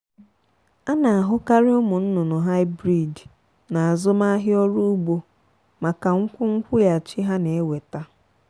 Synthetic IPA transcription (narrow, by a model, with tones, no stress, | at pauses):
a˦na˨a˨ɦʊ˦ka˦ɾɪ˦ʊ˦mʊ˨n̩˦nʊ˨nʊ˨ɦa˦ɪ˦bɾi˨d | na˨a˨zʊ˦ma˦ɦɪ˦ɔ˦ɾu˦ɡ͡bo˦ | ma˨ka˨ŋ̩˦kʷʊ˦ŋ̩˦kʷʊ˦ja˨t͡ʃi˦ɦa˦ne˨e˦we˨ta˦